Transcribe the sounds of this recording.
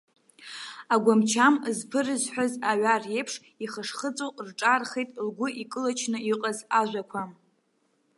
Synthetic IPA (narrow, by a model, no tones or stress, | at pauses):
aɡʷamt͡ʃʰamzpʰɨrɨzħʷᶣazaʕarje̞jpʰʂ | iχəʂχət͡sʼoqʼrʈ͡ʂʼarχejtʼlɡʷʊikʼɨlat͡ʃʰnɨiqʼazaʒʷakʷʰam